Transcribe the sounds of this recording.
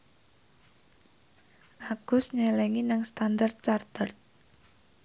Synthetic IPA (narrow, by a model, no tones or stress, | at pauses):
ʔaɡ̥ʊsɲɛlɛŋinaŋst̪andart̪̚t͡ʃart̪ərt̪̚